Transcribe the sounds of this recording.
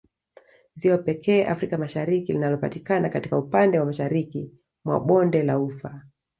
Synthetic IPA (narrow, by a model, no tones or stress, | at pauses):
ziwapɛkʰɛːʔa̰fɾikamaʃaɾikilinalɔpatikanakati̥kaupandɛwamaʃaɾiki | mwa̰ɓɔndɛlaufa